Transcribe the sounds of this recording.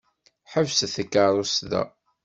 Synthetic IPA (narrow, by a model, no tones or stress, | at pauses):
ħəvsθəkːaɾˤusðæ̰